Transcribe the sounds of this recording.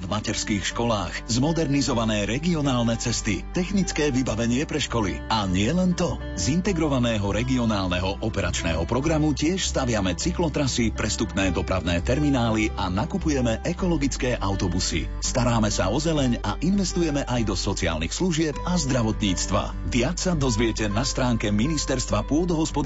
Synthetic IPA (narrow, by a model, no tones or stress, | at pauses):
vmacɛɾskiːxʃkɔlaːxzmɔd̪ɛɾnizɔʋanɛːɾɛɡiɔnaːlnɛt͡sɛst̪it̪ɛxnit͡skɛːʋibaʋɛɲɪɛpɾɛʃkɔlḭaɲɪɛlɛnt̪ɔ | zint̪ɛɡɾɔʋanɛːɦɔɾɛɡiɔnaːlnɛɦɔʔɔpɛɾa̰t͡ʃnɛ̰ːɦɔpɾɔɡɾamucɪɛʃst̪aʋɪamɛt͡siklɔt̪ɾasipɾɛst̪upnɛːd̪ɔpɾaʊnɛːt̪ɛɾminaːliʔanakupujɛmɛʔɛkɔlɔɡit͡skɛːʔawt̪ɔbusḭ | st̪aɾaːmɛsa̰ɔzɛlɛɲa̰ʔinʋɛst̪ujɛmɛʔajd̪ɔsɔt͡sia̰ːlnixsluʒɪɛpazd̪ɾaʋɔt̪ɲiːt͡st̪ʋa̰ | d̪ɪat͡ssad̪ɔzʋɪɛcɛnast̪ɾaːŋkɛminist̪ɛɾst̪ʋapʊɔd̪ɔɦɔspɔd̪